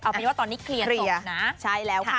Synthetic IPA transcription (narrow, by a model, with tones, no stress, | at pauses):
ʔɔː˨˩˧waː˥˩t̪ɔː˧nːiː˦˥kʰli˧əni˧ɐna˦˥t͡ɕʰa˥˩jlɛː˦˥wkʰː